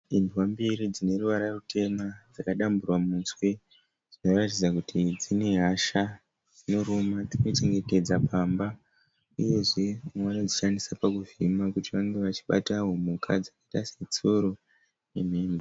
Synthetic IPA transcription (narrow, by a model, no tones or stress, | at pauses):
induwambiɾid͡zine̞ruʋaɾarutʰe̞mad͡zakaɗamburwamunswe̞ | d͡zino̞ratid͡zakutʰid͡zine̞ɦaʃa | d͡zino̞ɾomad͡zino̞t͡ʃe̞ŋɡe̞te̞d͡zapʰamba | uje̞ʐe̞mwanod͡ziʃanisapakuvimakutiʋaŋɡe̞ʋat͡ʃi̥ɓa̰taɦomukʰad͡zakaitaset͡soɾo | nem̤eːmbe